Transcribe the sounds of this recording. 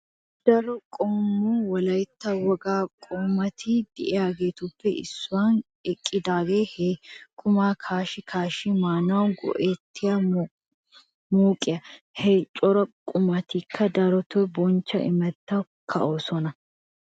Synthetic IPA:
d̪̥ɐɾɔkʼɔmːuːwɐlɐjt̪ːɐwɐɡaːkʼʊmːɐt̪ʰiːd̪̥ɪʔɛaːɡeːt̪ubːɛɪ̰sːʊwaːn | ɛkʼːɪd̪aːɡeːhekʼʊmaːkʰaːʃɪkʰaːʃimaːnːʊwɐŋɡɔ̰ʔeːt̪ʰːɪjɐ | muːkʼɪɐ | heːt͡ʃʼɔɾɐkʼʊmɐt̪ikʰːɐd̪ɐɾɔt̪ɔbɔnt͡ʃːɐ̰ʔɪ̰mɐt̪ːɐ | kʰɐʔoːsɔnɐ

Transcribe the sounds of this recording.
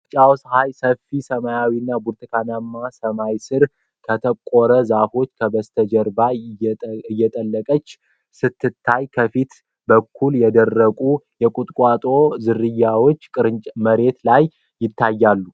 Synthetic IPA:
t͡ʃʼawshajsəfisəmajawinːabuɾt̪ʰɨkʰanamːasəmajsɨɾ | kʰət̪ʰəkʼoɾəzafo̞t͡ʃːkʰəbəst̪ʰəd͡ʒɛɾba | ɨjːɛt̪ʼəlːəkʼət͡ʃː | sɨt̪ːɨt̪ʰːajkʰəfit̪ | bəkʰːuljɛd̪ərːəkʼujɛkʼut̪ʼkʼwat̪ʼo̞zɨɾɨjːawo̞t͡ʃːkʼɨɾɨt͡ʃʼməɾe̞t̪lajː | ɪt̪ʰːajːalːu

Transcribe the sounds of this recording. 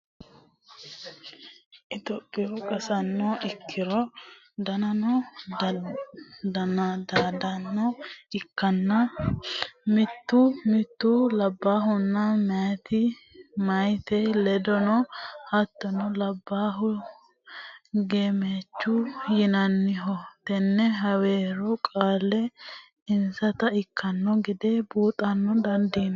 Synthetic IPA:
ʔɪt̪ɔpʼːɪʊkʼɐsɐnːɔʔɪkʰːɪɾɔ | d̪ɐnɐnɔ | d̪ɐnɐd̪ad̪ɐnːɔɪkːɐnːɐ | mɪt̪ːumɪt̪ːulɐbːaːɦʊnːɐmɛat̪ɪ | mɐjt̪ɛlɛd̪ɔnɔhɐt̪ːɔnɔlɐbːaːɦʊ | ɡeːmeːt͡ʃːʊjɪnɐnːɪɦɔt̪ɛnːɛɦɐweːɾɔkʼaːlːɛ | ɪnsɐt̪ɐɪkːɐnːɔɡɪd̪eːbuːt̪ʼɐnːɔd̪ɐnd̪iːn

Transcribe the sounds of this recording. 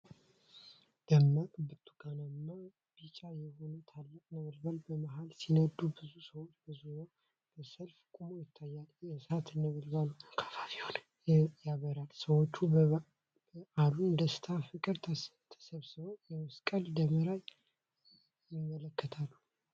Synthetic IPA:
d̪̥əmːabɨt̪ʰːu̥ɡananːa | b̥it͡ʃʼajɛho̞nət̪ʰalːɨkʼnəβɨlbalbəmaɦalsinəd̪ːubɨzusəwot͡ʃːbəzuɾo | b̥əsəlfkʼumojɪt̪ʰːajːalɛsat̪ʰɨnːəβəlβalukʰḁfafihon | jaβəɾalsəwot͡ʃːu | aluɨnd̪əst̪ʰafɨkʼɨɾt̪ʰə | t̪ʰə̥səβsɨβəwjɛwɨskʼəld̪əməɾaj | jɪmːələkːət̪ʰalːu

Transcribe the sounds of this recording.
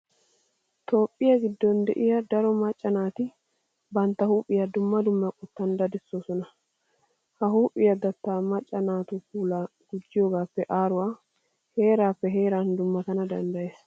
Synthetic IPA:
t̪o̞ːpʼːɪjɐɡɪd̪ːɔnd̪ɛʔɪjɐd̪ɐɾɔmɐt͡ʃʼːɐnaːt̪ɪ | bɐnt̪ːɐhuːpʼɪjɐd̪ʊmːɐd̪ʊmːɐkʼʊt̪ːɐnd̪ɐd̪ɪsːoːsɔnɐ | hɐhuːpʼːɪjɐd̪ɐt̪ːaːmɐt͡ʃʼːɐnaːt̪ukuːlaː | ɡ̥ʊd͡ʒːɪjoːɡaːpːɛʔaːɾʊwa | he̞ːɾaːfːɛɦe̞ːɾaːnd̪ʊmːɐt̪ɐnɐd̪ɐ̰nd̪ɐjes

